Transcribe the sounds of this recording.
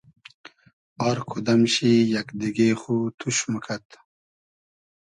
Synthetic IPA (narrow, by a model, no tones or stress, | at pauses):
ɔɾkʰud̪ɐmɕijakd̪iɡeχut̪ʰuɕməkʰat̪